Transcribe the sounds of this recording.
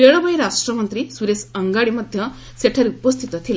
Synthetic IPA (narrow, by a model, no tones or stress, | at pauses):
eɭɐbɐjɾaʂʈɾɐmɐnt̪ɾisuɾesɐŋɡaɽimɐd̪ʱjɐ | seʈʰɐɾupɐst̪ʰit̪ɐt̪ʰil